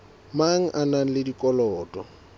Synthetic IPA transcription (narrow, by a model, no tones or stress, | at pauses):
maŋ̩ʔanaŋ̩lɪdikʼɔlɔːtʼɔ̰